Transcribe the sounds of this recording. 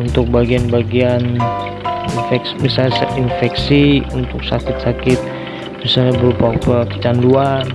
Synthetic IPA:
unt̪ʊk̚baɡianbaɡian | infɛksmisalɲasinfɛksiunt̪ʊk̚sa̰kɪt̪̚sakɪt̪̚ | misalɲabərupapəkə̥t͡ʃanduar

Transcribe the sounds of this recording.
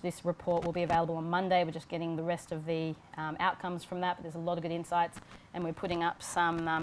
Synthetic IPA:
ðɪsɹɨpʰɔɹʔ̚wəlˠbiɨveɪlˠəbəl̩ˠə̃nmʌ̃ndeɪwɨɹd͡ʒʌsɡ̥ɛɾɪ̃ŋðɨɹɛstʌvði | ʔa̰ʊt̚kʰʌ̃mz̥fɹʌ̃mðət̚b̥ʌt̪̚ðə˞zəlɔɾʌvɡʊɾɪ̃nsaɪtsʔɨ̃nwɨɹpʰʊɾɪ̃ŋʌpsʌ̃m

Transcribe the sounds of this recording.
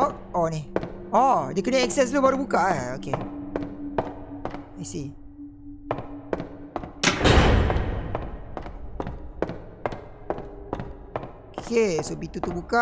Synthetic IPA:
ɔk̚ɔniɔdekəneɛk̚sɛs̬lubaɾubukaʔɛoke | ajsi | okʰesobit̪ut̪ubuka

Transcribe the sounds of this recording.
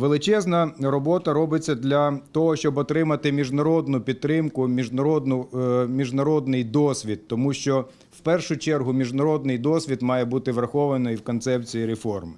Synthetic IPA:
ʋelˠɪt͡ʃɛznɐɾɔbɔt̪ɐɾɔbɪt͡sʲːɐd̪lʲɐt̪ɔɦɔʃt͡ʃɔbɔt̪ɾɪmɐt̪ɪmʲiʒnɐɾɔd̪nʊpʲid̪t̪̚t̪ɾɪmkʊmʲiʒɐɔd̪nʊmʲiʒnɐɾɔd̪nɪjd̪ɔsʲʋʲid̪ːɔmuʃt͡ʃɔ | wpɛrʃʊt͡ʃɛrɦʊmʲiʒnɐɾɔd̪nɪjd̪ɔsʲʋʲid̪mɑjɛbut̪ɪʋɾɐxɔʋɐnɔjiwkɔnt̪sɛp̚t͡sʲijiɾefɔrmɪ

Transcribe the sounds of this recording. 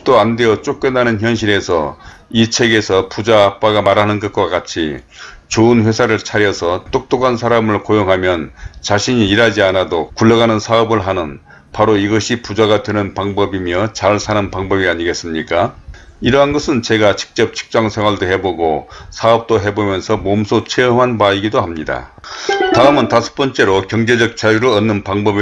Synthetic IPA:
t͈oande̞ʌt͡ɕ͈ok͈wenːanɯnçjʌnɕʰiɾe̞sʰʌ̰it͡ɕʰe̞ɡe̞sʰʌpud͡ʑaːp͈̚aɡamaɾɦanɯnɡʌt̚kwakat͡ɕʰḭt͡ɕoɯnɸwe̞sʰaɾɯɭt͡ɕʰaɾjʌsʰʌt͈ok̚t͈okʰansʰaɾamɯɭkojoŋɦamjʌnt͡ɕaɕʰiɲiːɾɦad͡ʑianadokuɭːʌɡanɯnsʰaʌbɯɭɦanɯn | paɾoiɡʌɕʰipud͡ʑaɡadwe̞nɯnpaŋbʌbimjʌt͡ɕaɭsʰanɯnpaŋbʌbiaɲiɡe̞s͈ɯmɲik͈a | iɾʌɦanɡʌsʰɯnt͡ɕe̞ɡat͡ɕɯ̥k̚t͡ɕ͈ʌp̚t͡ɕʰi̥k̚t͡ɕ͈aŋsʰeŋwaɭdohe̞boɡosʰaʌp̚t͈oɦe̞bomjʌnsʰʌmomsʰot͡ɕʰeɯmɦanpaiɡidoɦamɲida̰taɯmɯntasʰɯ̥p͈ʌnt͡ɕ͈e̞ɾokjʌŋd͡ʑe̞d͡ʑʌk̚t͡ɕajuɾɯʌnːɯnpaŋbʌb

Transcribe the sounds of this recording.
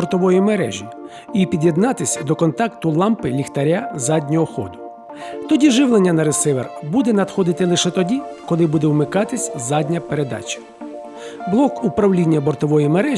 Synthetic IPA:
ɔrt̪ɔʋɔjimeɾɛ̰ʒʲi | ipʲid̪ʲjed̪nɑt̪ɪsʲɐd̪ɔkɔnt̪ɑkt̪ʊlˠɑmpɪlʲixt̪ɐɾʲazɑdʲnʲɔɔxɔ̰d̪ʊ | t̪ɔdʲiʒɪwlˠenʲːɐnɐɾesɪʋḛrbud̪ɛnɐd̪xɔd̪ɪt̪ɪlˠɪʃɛt̪ɔdʲikɔlˠɪbud̪ɛwmɪkɑt̪ɪsʲzɑdʲnʲɐpeɾe̞d̪ɑ̰t͡ʃɐ̥ | blˠɔkupɾɐwlʲinʲːɐbɔrt̪ɔʋɔjimeɾɛ

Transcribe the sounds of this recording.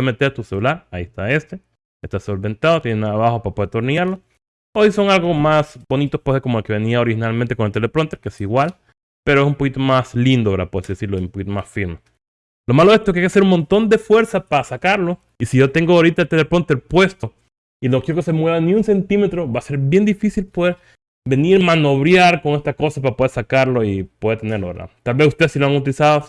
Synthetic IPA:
met̪eɾt̪uselulaɾaiest̪ae̞st̪e | est̪asolβe̞nt̪aðot̪jenenaðaβaxopapoðeɾt̪oɾnaɾlo | oiso̞ŋalɡo̞masbo̞nit̪ospwesekomoelke̞βe̞niaoɾihinalment̪ekonelt̪elepɾont̪eɾkeesiɣwal | pe̞ɾoesumpokit̪omaslind̪opeɾapoesiðesiɾloesumpokit̪omasfiɾme | lo̞maloe̞st̪oeskajkeaseɾunmo̞nt̪o̞nd̪e̞fwe̞ɾsapaasakaɾlo̞ | isiʝo̞t̪e̞ŋɡoaoɾit̪aet̪elepɾo̞nt̪eɾpwe̞st̪o | inokjeɾo̞kese̞mwe̞βaniunse̞nt̪ime̞t̪ɾo̞βase̞ɾbje̞nd̪ifisilpo̞ðe̞ɾ | be̞niɾmano̞βɾjaɾkoŋe̞st̪ako̞sapaɾapoðe̞ɾsakaɾlo̞ipoðeɾt̪eneɾloβeɾa̰t̪albe̞sust̪e̞ðsilo̞aŋut̪̬ilisaðo

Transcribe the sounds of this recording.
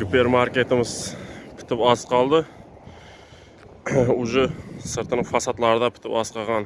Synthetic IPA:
supeɾmaɾkʲe̞t̪ɪmɪz̥pʰɪ̥t̪ʰɪpɑzqʰɑlˠd̪ɪ | ʊʒɪsɨɾt̪ʰɨnəfɑsɑt̪lˠɑɾɪd̪ɑpʰɪ̥t̪ɪpɑsqʰɑʁɑn

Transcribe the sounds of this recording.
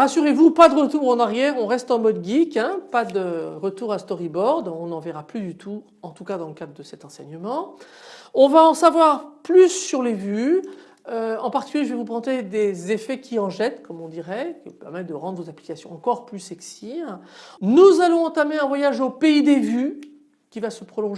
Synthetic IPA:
ʁasyʁevupad̪əʁət̪uːʁɑ̃naʁjɛʁɔ̃ʁɛst̪ɑ̃mɔd̪ɡʲikɛ̃pad̪əʁət̪uʁast̪ɔʁibɔʁd̪ɔ̃nɑ̃vɛʁaplyd̪yt̪ʰu | ɑ̃t̪ukad̪ɑ̃ləkad̪ʁəd̪əsɛt̪ɑ̃sɛɲəmɑ̃ | ɔ̃vaɑ̃savwaʁplysːyʁlevy | øɑ̃paʁt̪i̥kʲyljeʒəvɛvupʁɑ̃t̪ed̪ezefɛkʲʰiɑ̃ʒɛt̪kɔmɔ̃d̪iʁɛkʲivupɛʁmɛt̪̚d̪əʁɑ̃d̪ʁvozapli̥kasjɔ̃ɑ̃kɔʁplysɛksi | nuzalɔ̃ɑ̃t̪ameɛ̃vwajaʒopeid̪evy | kʲivasəpχɔlɔ̃ʒ

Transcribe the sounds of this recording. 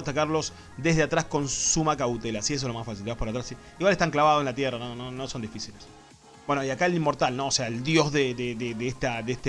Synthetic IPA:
at̪akaɾlo̞s | d̪e̞ɦðeat̪ɾasko̞nsumakawt̪elasies̬oslo̞masfas̬ilt̪eapoɾat̪ɾasi | iɣwaleht̪aŋklaβaðoenlat̪jeranonono̞so̞nd̪ifisiles | bwe̞noiakaelimːoɾt̪alno̞ːseaeld̪jo̞zðeðeðeðeest̪aðeeht̪e

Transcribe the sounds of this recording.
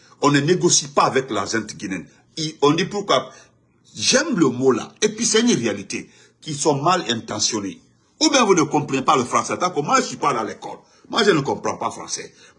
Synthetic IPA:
ɔ̃nəneɡosipaːvɛklazɛ̃ntɡinɛ̃n | iɔ̃ndipuɾkwa | ʒɛmləmola̰episɛnʁealite | kisɔ̃malɛ̃ntãsjɔne | ubjɛ̃vunəkɔ̃mpɾenepaləfɾãsɛtãkomwaʒəsɥipalalekɔ̰l | mwãʒənəkɔ̃mpɾãpalfɾã̰sɛ̰

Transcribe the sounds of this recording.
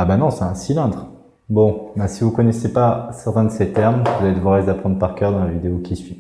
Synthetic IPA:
abanɔ̃sɛt̪ɛ̃silɛ̃d̪ʁ | bɔ̃basivukɔnɛsepasɛʁt̪ɛ̃d̪əset̪ɛʁmvuzaɛd̪vɔʁɛzd̪apχɑ̃d̪ʁpaʁkʲœʁd̪ɑ̃lavid̪eokʲisɥi

